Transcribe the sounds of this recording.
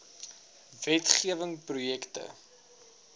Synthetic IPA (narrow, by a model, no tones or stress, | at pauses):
vɛtχiəvəŋprujɛktə̰